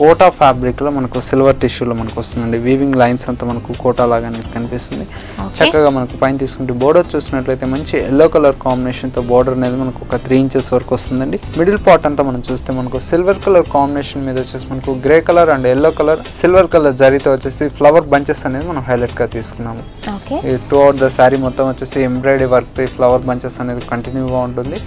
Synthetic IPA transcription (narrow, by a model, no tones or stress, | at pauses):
kɔːʈaːpʰaːbɾikloːmɐnɐkusilʋɐɾʈiʃuːloːmɐnɐkuʋɐst̪und̪ɐɳɖiʋiːʋiŋɡlɐjnsɐnt̪oːmɐnɐkukɔːʈaːlaːɡaːnekɐnipisind̪i | ot͡ʃɛkːɐɡaːmɐnɐkupɐjnt̪iːsu̥kuɳʈebɔːɾɖɐɾt͡ʃuːsinɐʈlɐjt̪eːmɐɲt͡ʃielːoːkɐlɐɾkaːmbineːʃɐnt̪o̞ːbɔːɾɖɐɾɐneːd̪imɐnɐkuɔkɐt̪ɾiːɲt͡ʃeːsɛʋɐɾɐkʋɐst̪und̪ɐɳɖimiɽɐlpaːɾʈɐnt̪oːmɐnɐmt͡ʃuːst̪e̞ːmɐnɐkusilʋɐɾkɐlɐɾkaːmbineːʂɐnmiːd̪ɐt͡ʃuːsimɐnɐkuɡɾeːkɐlɐɾɐɳɖeelːoːkɐlɐɾsilʋɐɾkɐlɐɾd͡ʒɐɾiɡt̪eːʋɐt͡ʃːeːsipʰlɐʋɐɾbɐɲt͡ʃeːsɐne̞ːd̪imɐnɐmɦɐjlɐʈɡaːt̪iːsu̥kunːaːmu | oːkeeʈːuɐʋʈd̪ɐsaːɾimɔt̪ːɐmʋɐt͡ʃːeːsiembɾeːɖeʋɐɾk̚t̪oːiːpʰlɐʋɐɾbɐɲt͡ʃeːsɐne̞ːd̪ikɐɳʈinjuːɡaːuɳʈund̪i